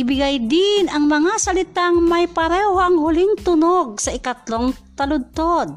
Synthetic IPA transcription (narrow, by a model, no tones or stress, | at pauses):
ʔɪbɪɡajd̪ɪnɐŋmɐŋasɐlɪt̪aŋmajpɐɾɛhoɐŋhʊlɪŋt̪ʊnoɡ̚sɐʔɪkat̪loŋt̪ɐlʊd̪̚t̪od̪̚